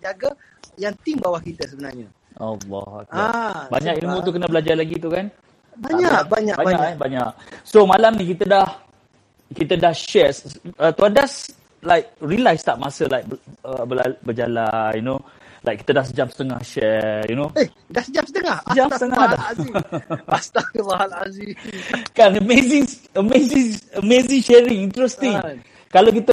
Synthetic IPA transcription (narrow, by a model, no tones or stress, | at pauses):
d͡ʒaɡa | jaŋt̪iŋbawahkit̪əsəbənarɲa | alːɔ̰ha̰k̚abaɲakilmũt̪ukənəbəlad͡ʒalaɡit̪ukan | baɲakbaɲakbabɲakbaɲaʔsomalamnĩk̬it̪ədah | kit̪ədahʃɛsət̪uadas | lajk̚ɹilajst̪aʔmasəlaɪjk̚bəbəabəd͡ʒa̰la̰juno | la̰jkːi̥t̪ədahsəd͡ʒamsə̥t̪əŋa̰hʃɛjunoe | dahsəd͡ʒamsət̪əŋahsəd͡ʒamt̪əŋaha | st̪abaalazikanəmezɪŋ | əmezĩŋəmezĩŋʃɛɹĩŋint̪ɾɛst̪ĩŋ | kalak̬it̪ə